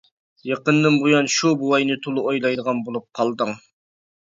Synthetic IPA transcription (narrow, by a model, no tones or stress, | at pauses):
jɑqənːɨmbojɑnʃubuwɑjnɨt̪ʰolˠɨʔojlˠɑjd̪əʁɑnbolˠup̚qʰɑlˠd̪əŋ